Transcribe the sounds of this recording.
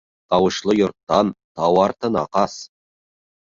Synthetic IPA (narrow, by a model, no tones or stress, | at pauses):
t̪ɑwɤ̆ʃlˠəjŏɾt̪ːɑnt̪ɑwɑɾt̪ənɑ̰qɑs